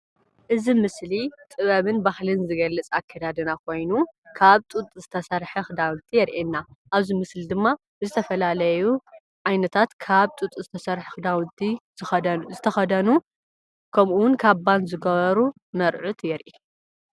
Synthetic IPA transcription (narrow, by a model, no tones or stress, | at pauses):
ʔɨzimɨslit̪ʼɨβɐβɨnbahlɨnzɨɡɐlːɐt͡sʼakʰːɐd̪ad̪ɨnakʰo̞jnukʰaβt̪ʼut̪ʼzɨt̪ʰɐsɐɾħɐxɨd̪awɨnt̪ʰijɛɾʔenːaʔaβzimɨslid̪ɨmːa | zɨt̪ʰɐfɐlalɐju | ʕajnɐt̪ʰat̪kʰaβt̪ʼut̪ʼzɨt̪ʰɐsɐɾħxɨd̪awt̪ʰiz̥ɨxɐzɨt̪ʰɐxɐd̪ɐnu | kʰɐmuwʊnkʰaβband̪zɨɡɐβɐɾu | nɐɾʕut̪jɛɾʔi